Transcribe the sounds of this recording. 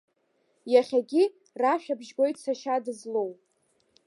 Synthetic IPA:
jaχʲaɡʲi | raʃᶣabʒɡʷo̞jtʰʼsaʃadɨzlow

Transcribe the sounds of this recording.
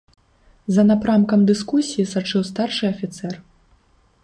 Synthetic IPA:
zɐnapɾamkɐmd̪ɨskusʲijisat͡ʂɨwst̪arʂɨɐfʲit̪sɛr

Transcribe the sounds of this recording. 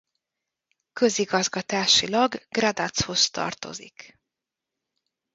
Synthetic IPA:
kø̞ziɡɒzɡɒt̪aːʃilɒɡɡrad̪at̪sho̞st̪ɒ̰rt̪o̞̰zḭk

